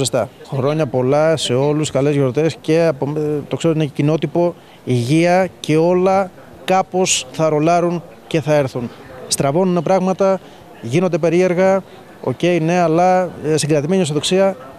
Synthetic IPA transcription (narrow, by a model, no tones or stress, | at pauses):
est̪ɐ̰xɾo̞ɲɐpo̞lɐse̞o̞luskɐle̞zʝo̞ɾt̪e̞sce̞ɐpot̪o̞kseɾot̪inecino̞t̪ipo̞ | iʝiɐce̞o̞lɐ | kɐpo̞sθɐɾo̞lɐɾun | ce̞θɐe̞ɾθun | st̪ɾɐvo̞nunepɾɐɣmɐt̪ɐ | ʝino̞nd̪epe̞ɾie̞ɾɣɐ | o̞̰ce̞jne̞ɐlɐsiŋɡɾɐt̪imeɲios̬oðo̞ksiɐ